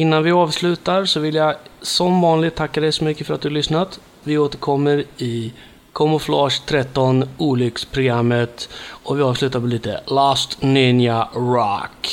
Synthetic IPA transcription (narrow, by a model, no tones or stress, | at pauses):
ɪnːanvɪɑːvslʉ̟ːt̪aɾsɔvɪljasɔmvɑːnlɪɡt̪ʰːakːad̪ɛjsɔmʏkːəfœɾat̪̚d̪ɵhalʏsnat̪ | vɪoːt̪əɾkʰɔmːəɾɪ | kʰɔmʊflɑːʂt̪ʰɾɛt̪ːɔnuːlʏkspʰɾʊɡɾamːət̪ɔvɪɑːvslʉ̟ːt̪aɾpɛliːt̪ə̰laːst̪nɪnjaɾɑ̰k